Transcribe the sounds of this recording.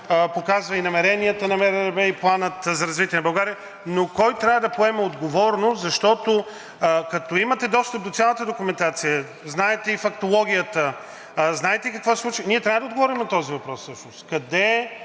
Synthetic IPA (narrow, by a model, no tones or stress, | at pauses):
pokazvɐinɐmɛɾɛniət̪ənɐmɛɾɾɛbɛiplˠanət̪zɐɾɐzvit̪ʲiɛnɐbɐlˠɡaɾiə | nokɔjt̪ɾʲavəd̪ɐpoɛmɛod̪ɡovɔɾnozɐʃt̪ɔt̪o | kɐt̪ɔimət̪ɛd̪ɔst̪əp̚d̪ot̪sʲalˠət̪əd̪okʊmɛnt̪at̪sijə | znaɛt̪ɛifɐk̚t̪olˠɔɡʲijət̪ə | znaɛt̪ɛikəkvɔsɛsˠut͡ʃniɛt̪ɾʲavəd̪əod̪ɡovɔɾimnɐt̪ɔzivɐpɾɔssɤʃnoskɐd̪ɛ